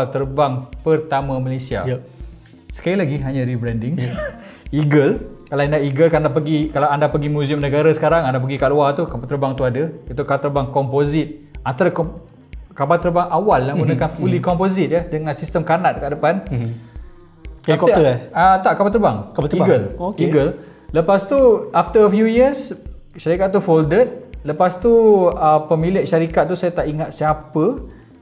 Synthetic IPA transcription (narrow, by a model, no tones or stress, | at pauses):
alt̪ərbaŋpərt̪amãmalesia̰ | sə̥kalilaɡiɦaɲãɾibɾɛndɪŋ | iɡəlkalaindaʔiɡəlkandapəɡikalawandapəɡimũziəmnəɡaɾasə̥kaɾaŋandap̬əɡikaʔluat̪ukapat̪ərbaŋt̪uadait̪ukaalt̪ərbaŋkɔmpozit̪̚ant̪aɾak | kabalt̪ərbaŋawalːaɡunəkanfulikɔmpozit̪̚jadəŋãnsist̪əmkanat̪̚əkaʔdəpan | ak̪əat̪aʔkabalt̪əɾbaŋkbat̪iɡəlokiɡəl | ləpast̪uaft̪əəfjujiəs | ʃaɾikat̪̚t̪ːufoldət̪̚ləpast̪uəpəmilɪʔʃaɾikat̪̚ːusajat̪aʔiŋat̪̚siapə